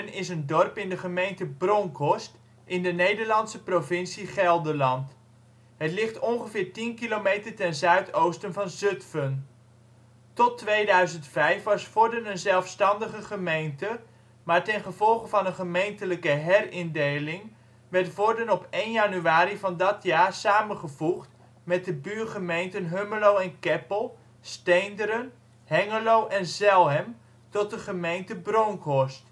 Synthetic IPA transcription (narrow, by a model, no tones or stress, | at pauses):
nɪsəndɔrpɪndəχəmejntəbrɔŋkʰɔst | ʔɪndənejdəɹlɑntsəprovɪnsiχɛlˠdəlɑnt | ɦətlɪχtɔnχəvɪːɹtinkilomejtərtɛnzœɥtowstənvɑnzøtfən | tɔtʋejdœɥzəntfɛjfʋɑsfɔɹdənənzɛlˠfstɑndəχəχəmejntə | maːɹtɛnχəvɔlˠχəvɑnənχəmejntələkəɦɛrɪndejlɪŋ | ʋɛɹtfɔɹdənɔpejnjanyaːɾivɑndɑtjaːɹsaːmənχəvuχt | mɛt̚dəbyːɹχəmejntənɦøməlowɛnkɛpəlˠ | stejndəɾən | hɛŋəlowʔɛnzɛlˠɦɛm | tɔt̚dəχəmejntəbrowŋkɔst